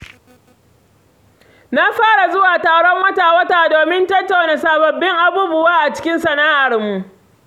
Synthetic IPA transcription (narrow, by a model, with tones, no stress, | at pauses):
na˦ɸaː˦ɽa˨zʊ˦waː˨taː˨ɽɔ˦mwɐ˦taː˨wɐ˦taː˨doː˨mɪ˦ntɐ˦tːa˨wneː˨saː˨bɐ˨bːɪ˦ŋʔa˨buː˦bʊ˦waː˦ʔa˨t͡ʃɪ̥˦kʲɪ˦nsɐ˨naː˦ʔa˨rmu˨ʔ